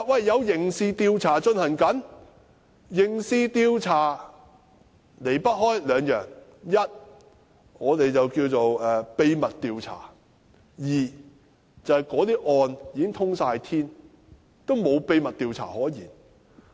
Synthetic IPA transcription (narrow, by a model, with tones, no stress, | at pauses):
wɐ˨jːɐ˨˧wjɪ˨˩ŋsiː˧t̪iː˧wt͡sʰaː˨˩t͡ʃɵ˧nhɐ˨˩nkɐ˨˥n | jɪ˨˩ŋsiː˧t̪iː˧wt͡sʰaː˨˩ | le˨˩jpɐ˥t̚hɔː˥jlœː˨˧ŋjœː˨˩ŋjɐ˥t̚ | ŋɔː˨˧t̪e˨jt͡sɐ˨wkiː˧wt͡so˨wɛː˨pe˧jmɐ˨t̚t̪iː˧wt͡sʰa̰ː˨˩ | jiː˨˩ | t͡sɐ˨˧hɐ˨jkɔː˨˧˥t̪iː˥ʔɔː˧njiː˨˧kɪ˥ŋt̪ʰʊ˥ŋsaː˧jt̪ʰiː˥n | t̪o˥wmo˨˧wpe˧jmɐ˨t̚t̪iː˧wt͡sʰa̰ː˨˩hɔː˨˥jiː˨˩n